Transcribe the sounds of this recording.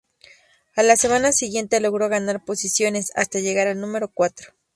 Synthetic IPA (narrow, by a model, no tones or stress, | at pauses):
alasemanasiɣje̞nt̪eloɣɾoɣanaɾposisjo̞nesa̰st̪aʝeɣaɾalnumeɾokwat̪ɾo